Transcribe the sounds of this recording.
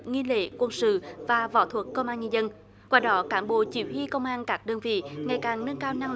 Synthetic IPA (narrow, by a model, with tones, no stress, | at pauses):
ŋi˧lḛ˧˥kwə˧nsɨ̰˧˨vaː˨˩vɔ̰˧˩˦t̪ʰwə˨˩kːə˧wŋ͡mʔaː˧nɲə˧nzə˧n | kwaː˧ɗɔ˨˦kaː˨˦mɓo̰˧˨t͡ɕi˨˧˩whi˧kə˧wŋ͡mʔaː˧nkaː˦˥k̚ɗəː˧nvḭ˧˨ŋa˨˩jkaː˨˩ŋnə˧nkaː˧wna˧ŋ